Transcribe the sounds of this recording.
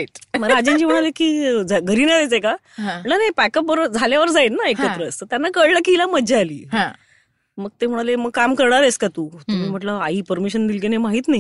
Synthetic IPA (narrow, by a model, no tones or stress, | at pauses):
it̪məɡad͡ʑit͡ɕiːm̤əɽ̃alekiːd͡zaɡʱəɾiːnaɾet͡seka | ɦãəɳnanajpɛkəpʋəɾd͡zʱaljaʋəɾd͡zajnnaekət̪ɾəːst̪əɾt̪janːakəɽləkiilaməd͡ʑealḭːɦã | məɡ̚t̪em̤əɽ̃aleməɡkamkəɾɽ̃aɾeskat̪uːt̪um̤iːm̤əʈləaiːpəɾmiɕənd̪ilk̬enemaɦiːt̪naji